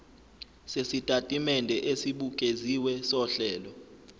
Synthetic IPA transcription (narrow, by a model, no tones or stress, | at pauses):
sesitʼatʼimɛndʱɛʔesiɓukʼeziwɛsɔɬɛːlɔ